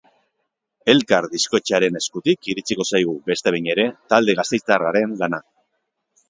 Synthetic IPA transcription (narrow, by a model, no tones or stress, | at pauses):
e̞lkaɾðisko̞t͡ʃaɾe̞ne̞skut̪ikiɾit͡siko̞sajɣ̞ube̞st̪e̞βejɲe̞ɾe̞t̪ald̪e̞ɣ̞ast̪e̞jt͡saraɾe̞nlana